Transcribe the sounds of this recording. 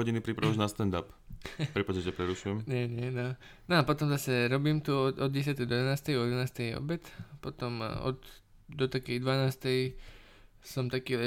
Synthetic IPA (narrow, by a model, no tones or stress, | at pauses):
ɔɟinipɾipɾaʋaʒnast̪ɛnd̪ap | pɾipaʒɛtɛpɾɛɾuʃujɛmɲɛɲɛnɔ | nɔapɔt̪ɔmzasɛɾɔbiːmt̪uɔɔd̪̚ɟɛs̬ɪat̪ɛjd̪ɔd̪ɛnaːst̪ɛjɔjɛd̪ʋɛnaːst̪ɛjɔ̰bɛt̪pɔt̪ɔmɔ̰t̪ | d̪ɔt̪akɛjd̪ʋanaːst̪ɛj | sɔmt̪akiːɛ